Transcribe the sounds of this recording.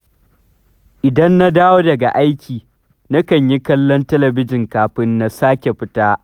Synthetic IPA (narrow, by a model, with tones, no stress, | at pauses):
ʔɪ˨dɐ˦nːa˦daː˦woː˦dɐ˨ɡa˨ʔa˦jkʲiː˨ | na˦kɐ˨ɲji˦kɐ˦lːɔ˦ntɐ˦lɐ˨bɪ˦d͡ʒɪ˨ŋkaː˨ɸɪ˦nːa˦˨saː˦kʲe˨ɸɪ˦taː˦ʔ